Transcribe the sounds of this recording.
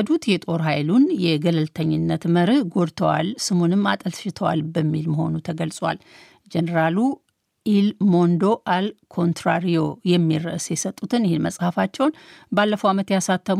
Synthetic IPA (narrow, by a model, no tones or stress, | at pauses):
d̪ut̪jɛt̪ʼo̞ɾɦajlunjɛɡələlt̪ʰəɲːɪnːət̪məɾɨɡo̞ɾt̪ʰəwa̰lsɨmunɨmːa̰t̪ʼəlʃɪt̪ʰəwa̰lbəmːilməho̞̰nut̪ʰəɡəlsʼwa̰l | d͡ʒenəɾalu | ʔilmo̞nd̪o̞ʔalkʰo̞nt̪ɾaɾio̞jɛmːiɾəʔsjɛsət̪ʼːut̪ʰɨnjhenmə̰sʼhəfat͡ʃːɛwnbalːəfəwamət̪jasat̪ʰːəm